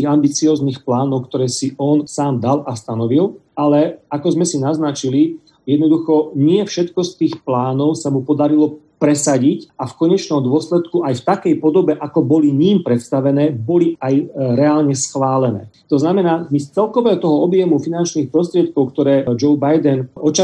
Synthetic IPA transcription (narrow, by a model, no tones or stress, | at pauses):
iɣambit͡siɔːzniːxplaːnɔʊkt̪ɔɾɛːsiɔnsaːmd̪alast̪anɔʋilalɛakɔzmɛsinaznat͡ʃili | jɛd̪nɔd̪uxɔɲɪɛfʃɛt̪kɔst̪iːxplaːnɔʊsamupɔd̪aɾilɔpɾɛsaɟicafkɔɲɛt͡ʃnɔmd̪ʊɔslɛt̪kuʔajft̪akɛjpɔd̪ɔbɛʔakɔbɔliɲimpɾɛt̪st̪aʋɛnɛːbɔliajɾɛaːlɲɛsxʋaːlɛnɛ̰ːt̪ɔznamɛnaːmist͡sɛlkɔʋɛːɦɔt̪ɔɦɔɔbjɛmufinant͡ʃniːxpɾɔs̬t̪ɾɪɛt̪̚kɔʊkt̪ɔɾɛːd͡ʒɔʊbajd̪ɛnʔɔt͡ʃa